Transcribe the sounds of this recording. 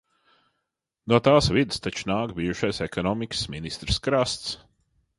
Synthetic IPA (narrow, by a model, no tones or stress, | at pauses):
nuɔt̪aːsvid̪ɨst̪at͡ʃu̥naːkbiːʒuʃajsɛkɔnɔmikə̥sminist̪ɾɨskɾast̪s